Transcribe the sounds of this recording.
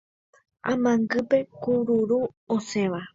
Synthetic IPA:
amãŋɡɨpe̞kuɾuɾuoseʋa

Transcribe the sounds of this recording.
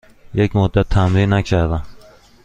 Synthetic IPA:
jekʲmʊd̪ːat̪ʰːamɾinakʲʰaɾd̪a

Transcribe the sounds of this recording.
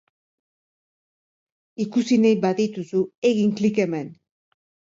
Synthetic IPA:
ikusinejbaðit̪usue̞ɣiŋklike̞me̞n

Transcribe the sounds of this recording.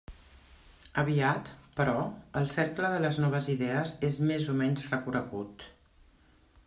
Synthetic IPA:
əβ̞iat̪pəɾɔəlˠsɛɾkləðələznɔβ̞əziðɛəzezmezumɛɲzrəkuɾəɣut̪

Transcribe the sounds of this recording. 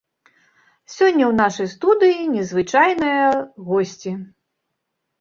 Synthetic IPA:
sʲɔnʲːɐwn̪aʂɐjst̪ud̪ɨjinʲɛzvɨt͡ʂajnɐjɐɣɔsʲt͡sʲi

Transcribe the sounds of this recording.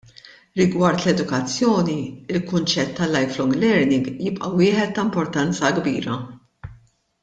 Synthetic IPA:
ɾɪɡwɐɾt̪lɛd̪ʊkɐt͡sːjɔːniɪlkʊnt͡ʃɛt̪ːɐlːɐjflɔŋɡlɛɾnɪŋɡjɪpʼʔɐwɪːħɛt̪ːɐmpɔɾt̪ɐnt͡sɐɡbḭːɾɐ

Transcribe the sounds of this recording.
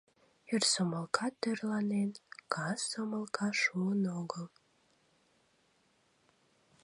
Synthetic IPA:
irsoməlˠkʰɑt̪ːørlɑnenkɑsːoməlˠkʰɑʃuənoɡəl

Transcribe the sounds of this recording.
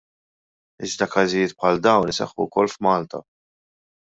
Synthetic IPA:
ɪzd̪ɐkɐzɪjɪːt̪̚pħɐld̪ɐwnɪsɛ̰ħːukɔlːfmɐːlt̪ɐ̰

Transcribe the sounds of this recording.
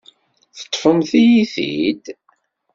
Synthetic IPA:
θə̥t̪ˤːfəmθijiθḭd̪

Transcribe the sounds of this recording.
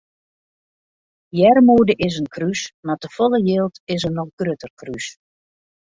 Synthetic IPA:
jɛrmuːədəʔɪsənkrysmatəfɔlˠəjeːlˠtɪs̬ənɔxɡrøtərkrys

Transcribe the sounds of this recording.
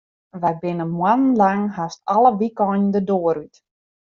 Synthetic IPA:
ʋabɪnəmwanənlaŋhastaləʋikɔnndədoːəɾyt

